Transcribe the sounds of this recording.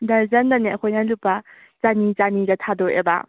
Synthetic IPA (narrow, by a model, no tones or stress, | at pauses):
dɐɾzɐndaneɐkʰojnalupːa | zanit͡ʃaniɡɐtʰadɔʔḛba̰